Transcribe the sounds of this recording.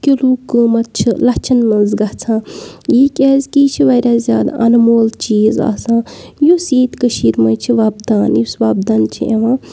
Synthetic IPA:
kʲeluːkɨmɐt̪̚t͡ʃʰilɐt͡ʃʰɐnmɐnzɡɐt͡sʰãːjiːkʲezʲkiːt͡ʃʰiʋɐɾʲaːzja̰ːd̪a̰ʔɐ̰nmoːlt͡ʃiːza̰ːsãːjusiːt̪kəʃiːɾmɐjt͡ʃʰiʋabd̪aːnjusʋaːb̚d̪ant͡ʃʰḭʔḛʋãː

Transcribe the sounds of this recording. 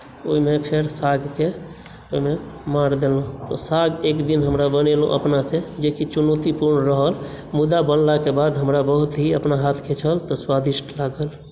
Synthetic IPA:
oɦimepʰeɾsaɡke | oimemaɾd̪elũt̪ɔsaɡekd̪inɦəmɾabənelṵ̃ʔə̰pnased͡ʒekit͡ʃunot̪ipuɾɳɾəɦəl | mud̪abənlakebad̪ɦəmɾabəɦut̪ɦiəpnaɦat̪ʰket͡ʃʰəlt̪ɔswad̪iʃʈʰlaɡəl

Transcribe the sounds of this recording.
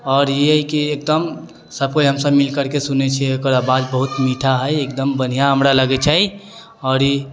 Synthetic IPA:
ɔːɾjiəjkiek̚d̪əm | səb̚koiɦəmsəbmilkəɾkesunet͡ʃʰiokəɾəbad͡ʒbəɦut̪miʈʰaɦəjekd̪əmbən̤ijaɦəmɾaləɡɛt͡ʃʰai | ɔːɾi

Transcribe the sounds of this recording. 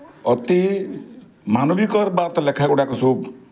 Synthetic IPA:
ʌt̪i | manobikʌɾbat̪ʌlekʰakuɽakosob

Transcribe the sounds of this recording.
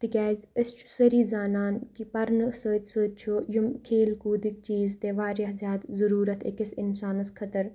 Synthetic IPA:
t̪ikʲɛːzɪst͡ʃʰu̥səɾiːzaːnaːnkipɐɾnsəːt͡ʃsəːt͡ʃʰoːjumkʰeːlkuːd̪ɪk̚t͡ʃiːzt̪eːʋaːɾɐɦzʲjaːd̪zɐɾuːɾɐt̪ḛkɪsɪnsaːnskʰɐt̪əɾ

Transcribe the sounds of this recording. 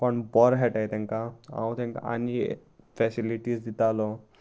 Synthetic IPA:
pəɳbɔɾɦɛʈajt̪ɛ̃ŋkaã̰wt̪ɛ̃ŋka̰a̰ni | fɛsiliʈisd̪it̪alɔ

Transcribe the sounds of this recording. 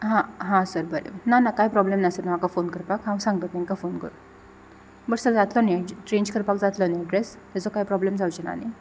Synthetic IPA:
ɦãɦãsəɾbəɾḛbənanakajpɾɔblemnasəɾnamakafonkəɾpakɦãwsãŋɡ̚t̪ət̪ẽnkafonkə̰ɾu | bəɽsəd͡zat̪lɔned͡ʑʈɾend͡ʑkəɾpakd͡zat̪lɔneɖɾest̪ɛd͡zɔkajpɾɔblemd͡zʱawt͡ɕena̰ni

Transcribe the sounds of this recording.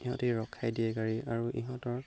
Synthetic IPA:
iɦɔtɛɹɔkʰːajdiɛkaɹiaɹuʔḭɦɔ̃tɔɹ

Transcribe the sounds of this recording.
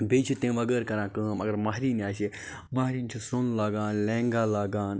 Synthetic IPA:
beːt͡ʃʰut̪ẽːʋɐɡəːɾkɐɾãːkəːmɐɡɐɾmaːɦɾiːniaːʃ̬e | maːɦɾiːnt͡ʃʰusonlaːɡãːnlẽːŋɡaːlaːɡaːn

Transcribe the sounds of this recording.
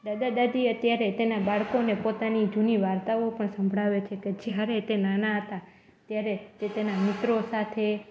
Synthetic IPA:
d̪ad̪ad̪ad̪iət̪jaɾet̪enabaɭkonepot̪anid͡ʒuniʋaɾt̪aopəɳsəmbʱɽaʋet͡ʃʰeked͡ʒjaɾet̪enanaɦət̪a | t̪jaɾet̪et̪enamɪt̪ɾosat̪ʰe

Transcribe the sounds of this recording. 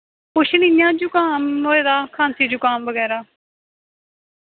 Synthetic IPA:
pʊʃʰniːnjãːd͡ʒʊkaːnɦoːeːd̪aːkʰaːnsiːd͡ʒʊkaːnʋəɡɛːɾaː

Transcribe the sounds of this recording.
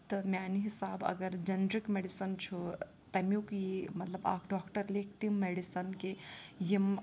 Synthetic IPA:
t̪ɐmʲjaːniɦisaːbɐ̰ɡəɾd͡ʒɐnɾikmeɖisɐnt͡ʃʰu | t̪ɐmjukimɐt̪ləba̰ːkʰɖɔːkʈəɾlek̚ʰt̪imːeɖisɐnkejim

